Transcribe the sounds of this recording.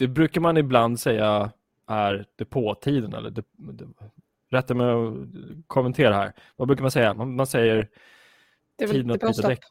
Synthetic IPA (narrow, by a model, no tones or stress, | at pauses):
d̪̥ɛbɾʉ̟ːkaɾmanɪbland̪sɛjːa | ʔæɾd̪̥ɛpʰoːt̪ʰiːd̪ənɛ̰lːə̰ɖɛd̪ɛ | ɾɛt̪ːamɛɔkʰɔmɛnt̪ʰeːɾahæ̰ːɾvabɾʉ̟kamansɛjːamamansɛjːəɾ | iːd̪ənaɔd̪ɛɛk